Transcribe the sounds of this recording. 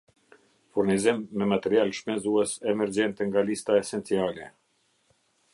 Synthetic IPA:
fuɾnizimːɛmat̪ɛɾialʃpɛnzuɛsɛmɛɾd͡ʑɛnt̪ɛŋɡalist̪aɛsɛnt͡sialɛ

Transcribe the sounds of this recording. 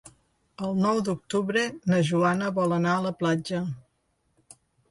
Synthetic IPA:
əlˠnɔwd̪uk̚t̪uβɾənəʒuanəβɔlənaələplad͡ʒə

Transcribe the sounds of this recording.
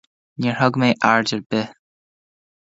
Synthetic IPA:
niːɹhɔɡmeːʔaɹdəɹbɪ

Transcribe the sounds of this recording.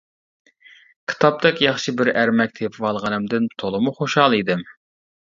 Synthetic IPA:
kʲʰi̥t̪ʰɑp̚t̪ɛkʲjɑχʃɨbɪɾæɾmɛk̚ʲt̪ʰepʰwɑlˠʁɑnɪmd̪ɪnt̪ʰolˠɨmuχoʃhɑlˠid̪ɪm

